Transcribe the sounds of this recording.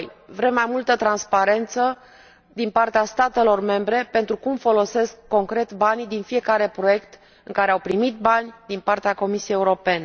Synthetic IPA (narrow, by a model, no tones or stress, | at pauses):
jvɾe̞mːajmult̪ət̪ɾanspaɾe̞nt̪sə | d̪inpart̪east̪at̪e̞lo̞rme̞mbɾe̞pe̞nt̪ɾukumfo̞lo̞se̞skːo̞ŋkɾe̞t̪band̪infije̞kaɾe̞pɾo̞je̞kt̪ | ɨŋkaɾeawpɾimit̪̚banʲd̪inpart̪eako̞misiejeuɾo̞pe̞ne